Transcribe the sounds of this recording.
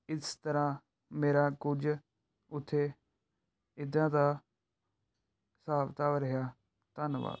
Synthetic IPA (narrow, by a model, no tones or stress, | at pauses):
ɪst̪əɾãː | meːɾaːkʊd͡ʒ | ʊt̪ʰːeː | ɪd̪ãːd̪aː | saːbt̪aːʋəɾəɦjaː | t̪ənʋa̰ːd̪